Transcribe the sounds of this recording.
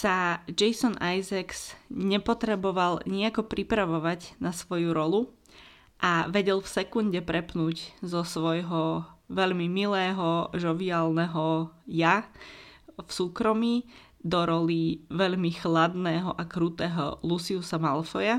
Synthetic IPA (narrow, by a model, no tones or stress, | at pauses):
sad͡ʒɛjsɔnajzaksɲɛpɔt̪ɾɛbɔʋalɲiakɔpɾipɾaʋɔʋaɟnasʋɔjuɾɔlu | ʔaʋɛɟɛlfsɛkunɟɛpɾɛpnuːɟzɔsʋɔjɦɔʋɛʎmimilɛːɦɔʒɔʋiaːlnɛɦɔja | fsuːkɾɔmi | d̪ɔɾɔliʋɛʎmixlad̪nɛːɦɔʔakɾuːt̪ɛːɦɔ̰lusiusamalfɔja